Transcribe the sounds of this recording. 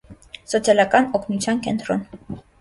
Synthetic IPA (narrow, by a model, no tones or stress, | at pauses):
sɔt͡sʰjɑlɑkɑnɔkʰnut͡sʰjɑnkɛnt̪ɾɔn